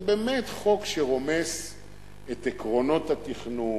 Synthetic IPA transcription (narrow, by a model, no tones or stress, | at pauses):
bemet̪χo̞kʃeʁo̞me̞s | etekʁo̞no̞that̪iχnu